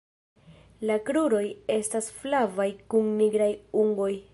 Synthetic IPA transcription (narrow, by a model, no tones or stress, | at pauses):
lakɾuɾo̞je̞stasflavajkunniɡɾajuŋɡo̞j